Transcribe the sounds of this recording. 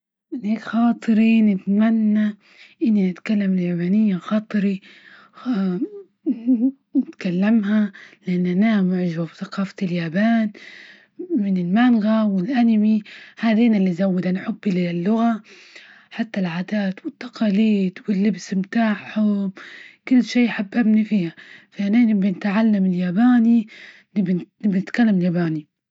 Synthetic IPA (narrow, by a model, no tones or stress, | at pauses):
mɪnheːkxɑːt̪ˤɨɾinɪt̪manːa | ʔɪnːinɪt̪kalːamɪjabaːnɪjːaxɑːt̪ˤɨɾi | nɪt̪kalːamɦalɪʔanːanamʊʕʒababθaqɑːfḁljaːbaːn | mɪnɪlmanɣawɪlʔanmihaːd̪iːnalːizawːɪd̪anħʊbːilɪlːʊɣa | ħat̪ːalʕaːd̪aːt̪wɪt̪ːɑ̥qʰɑːliːd̪wɪlːɪbsmt̪aːʕħʊbkʊlːʃiːjħabːabnifiːhafaʔananɪbɪnɪt̪ʕalːamɪljaːbaːni | nɪbnɪbnɪt̪kalːamɪljaːbaːni